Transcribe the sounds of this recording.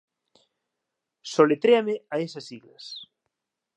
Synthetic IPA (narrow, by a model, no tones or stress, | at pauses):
solet̪ɾeameaesɐsiɣlɐ̰s